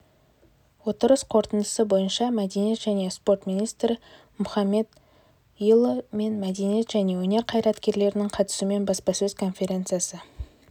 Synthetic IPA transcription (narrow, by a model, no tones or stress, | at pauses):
wo̞t̪əɾəsqʰo̞ɾt̪ənd̪əsəbo̞jənʃɑmæd̪e̞nije̞t̪ʒæne̞spo̞rt̪minijst̪ɾɪ | mʊχɑme̞d̪ | ilˠəme̞nmæd̪e̞nije̞t̪ʒ̥æne̞wɵne̞ɾqʰɑjɾɑt̪kʲe̞ɾle̞ɾɪnɪŋqʰɑt̪ə̥sume̞nbɑspɑsɵzkʰo̞nfʲe̞ɾʲe̞nt̪sɨjasə